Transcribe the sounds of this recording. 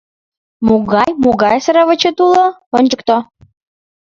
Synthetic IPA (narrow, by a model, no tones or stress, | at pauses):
muɣɑjmuɣɑjsəɾəβə̆t͡ɕət̪uloonʲd͡ʑək̚t̪o